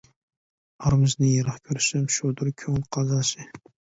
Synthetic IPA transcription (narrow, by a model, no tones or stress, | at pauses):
ɑɾmɪznɪjɑɾɑχkʲʰoɾʃɪmʃod̪ʊɾkʲʰɵŋlqʰɑzɑʃɪ